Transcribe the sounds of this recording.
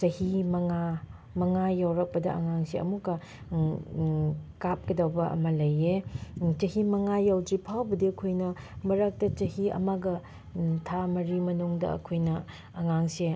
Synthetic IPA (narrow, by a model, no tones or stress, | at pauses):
t͡ʃɐhimɐŋa | mɐŋajawɾɐk̚pɐdɐ̰ɐ̰ŋaŋseɐ̰mukːɐ | kap̚kɐdawbɐʔɐ̰mɐlɐjet͡ʃɐhimɐŋajawd͡ʒipʰawbɐdiɐkʰojnɐ | mɐɾɐk̚tɐt͡ʃɐhiɐ̰maɡɐ | tʰamɐɾimɐnuŋdɐ̰ɐ̰kʰojnɐː | ŋaŋse